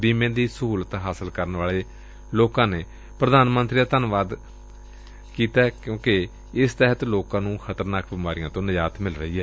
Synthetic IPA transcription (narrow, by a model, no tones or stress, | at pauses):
biːmẽːd̪iːsəɦuːlət̪ɦaːsəlkəɾənʋaːleː | loːkãːneː | pɾəd̪aːnmə̃nt̪ɾiːd̪aːt̪ənʋaːd̪ | kiːt̪aːɛkjõːke | ɪst̪ɛɦət̪loːkãːnũːxʰət̪əɾnaːkʰbɪmaːɾijãːt̪õːnəd͡ʒaːt̪mɪlɾəɦiːɦɛː